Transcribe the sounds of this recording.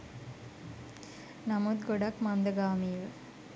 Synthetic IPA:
nɐmuːd̪̚ɡɔɽakmand̪ɐɡaːmiʋ

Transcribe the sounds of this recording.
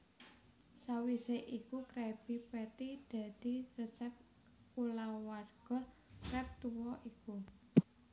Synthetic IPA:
sawiseʔikukɾɛb̥ipɛt̪id̪̥a̤d̪̥i̤rəsɛp̚ | kulawwarɡ̥ɔ̤ | kɾɛp̚t̪uwɔʔiku

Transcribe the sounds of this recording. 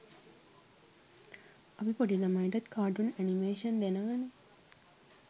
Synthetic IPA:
ɐbipoɖilɐmɐiʈɐt̪kʰaːɖunænimeːʃɐnd̪enɐʋɐne

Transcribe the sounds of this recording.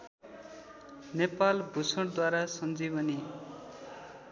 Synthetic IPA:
nepalbʱusʌɽd̪waɾasʌnd͡zibʌni

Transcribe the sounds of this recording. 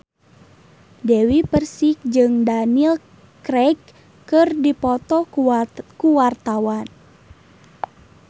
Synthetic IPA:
dewipərsik̚d͡ʒɨŋdanil | kɾɛk | kɨrdipɔt̪ɔ | kuwart̪awan

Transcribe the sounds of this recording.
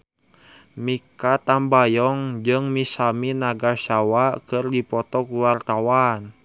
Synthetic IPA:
mikat̪ambajɔŋd͡ʒɨŋmisaminaɡaʃawakɨrdipɔt̪ɔkuwart̪awan

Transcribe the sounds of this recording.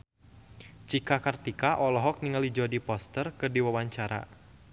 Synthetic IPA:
t͡ʃikakart̪ikaʔɔlɔɦɔk̚niŋalid͡ʒɔdipɔst̪ərkɨrdiwawaɲt͡ʃaɾa̰

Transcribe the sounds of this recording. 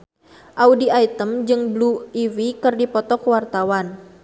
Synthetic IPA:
ʔaudiait̪əmd͡ʒɨŋbluiwikɨrdipɔt̪ɔkəwart̪awan

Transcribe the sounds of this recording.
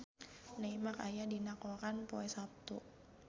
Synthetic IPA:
naimakajadinakokanpoɛsap̚t̪u

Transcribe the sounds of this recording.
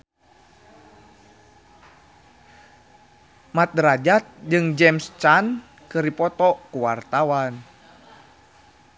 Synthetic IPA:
mat̪̚dɾad͡ʒat̪̚d͡ʒɨŋd͡ʒɛmst͡ʃan | kɨɾipɔt̪ɔkuwart̪awan

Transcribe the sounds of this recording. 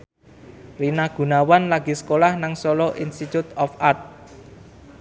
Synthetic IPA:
rinaɡ̥ṳnawanlaɡ̥i̤sə̥kolahnaŋsɔlɔʔinst̪it̪ut̪ɔfart̪̚

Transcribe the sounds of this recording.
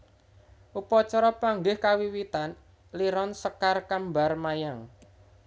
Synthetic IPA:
ʔupɔt͡ʃɔɾɔpaŋɡɪhkawiwit̪an | liɾɔnsəkarkambarmajaŋ

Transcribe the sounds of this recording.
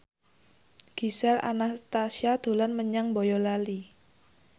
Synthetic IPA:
ɡ̥i̤sɛla̰nast̪asiad̪̥o̤lanməɲaŋbɔjɔlali

